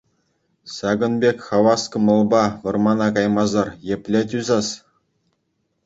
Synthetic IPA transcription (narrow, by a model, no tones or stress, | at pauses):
sɑɡɤ̆nbʲekʲχɑʋɑskɤ̆mɤ̆lˠbɑʋɤ̆rmɑnɑkɑjmɑzɑrjĕpʲlʲet̬ʲyzɑs